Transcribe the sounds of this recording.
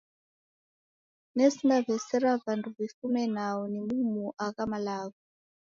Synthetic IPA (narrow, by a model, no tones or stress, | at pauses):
nesinavɛsɛɾavanduβifumɛnaunimumuʔakamalaːku